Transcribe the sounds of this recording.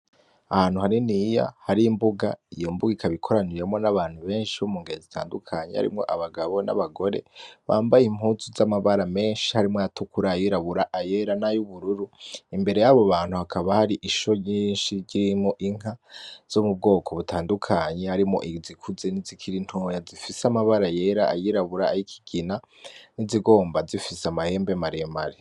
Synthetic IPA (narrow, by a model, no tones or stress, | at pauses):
ahaːn̥huhaɾinija̰haɾiːmbuɡa̰ijo̞mbuɡikʰaβikʰo̞ɾanijemŋo̞naβaːn̥huβe̞ːnʃihomuːŋɡiɾezitʰa̰ːndukʰaɲeha̰ɾḭmŋo̞̰ʔaβaɡaβo̞na̰βaɡo̞ɾe̞̰βa̰ːmbajim̥huzuzamaβaɾame̞ːnʃi̥haɾimŋojatukuɾajiɾaβuɾaʔaje̞ɾanajuβuɾuɾuimbe̞ɾe̞jaβo̞βaːn̥huhakʰaβahaɾiʔiʃo̞ɲiːnʃiɟiɾimoʔiŋ̥az̥omub̚ɡo̞ːkʰo̞βutʰaːndukʰaːɲehaɾimo̰ʔizikʰuze̞nizikʰiɾin̥hojazifisamaβaɾaje̞ɾaajiɾaβuɾaːjikʰi̥ɡ̥ina | niziɡo̞ːmbazifiseamahe̞ːmbe̞maɾemaɾe